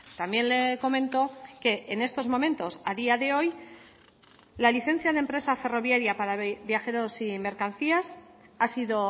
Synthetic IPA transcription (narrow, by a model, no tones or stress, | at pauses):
t̪ambje̞nle̞ko̞mẽ̞nt̪o̞ke̞ːne̞st̪o̞zmo̞mẽ̞nt̪o̞saðiaðe̞o̞j | laliθe̞n̟θjaðe̞mpɾe̞safe̞ro̞βjaɾjapaɾaβjaxe̞ɾo̞sime̞ɾkanθiasasiðo̞